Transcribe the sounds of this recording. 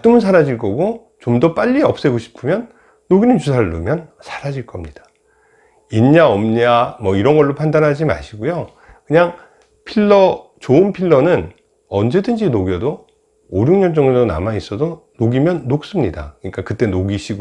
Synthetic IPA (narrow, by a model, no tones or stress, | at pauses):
t͈ɯmɯnsʰaɾad͡ʑiɭk͈ʌɡo | t͡ɕomdʌp͈aʎːiʌp̚s͈e̞ɡoɕʰi̥pʰɯmjʌnː | oɡinɯnt͡ɕusʰaɾɯɭnumjʌnsʰḁɾad͡ʑiɭk͈ʌmɲid̥ḁ | inɲaʌmɲamʌiɾʌnɡʌɭːopʰandanɦad͡ʑima̰ɕʰiɡujo | kɯɲaŋ | pʰiɭːʌ | t͡ɕoɯnpʰiɭːʌnɯn | ʌnd͡ʑe̞dɯnd͡ʑinoɡjʌdo | oɾjuŋɲʌnd͡ʑʌŋesʰʌna̰mais͈ʌdonoɡimjʌnːok̚s͈ɯmɲida̰kɯɲik͈akɯt͈e̞noɡiɕʰiɡ